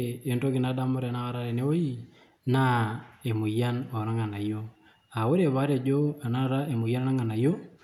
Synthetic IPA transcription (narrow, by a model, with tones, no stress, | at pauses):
e˨nto˦ki˨na˨˦da˦mʊ˦ɾe˨na˦a˦ɾa˦ɾe˨ne˦wo˦ji˦ | na˦e˨mu˨ja˦nɔ˨ɾa˦ŋa˨na˨jo˦ | a˨wo˦ɾe˨βa˦ɾe˨d͡ʒo˦a˨na˦˨ɾa˦e˨mu˨ja˦na˦na˦ŋa˨na˨jo˦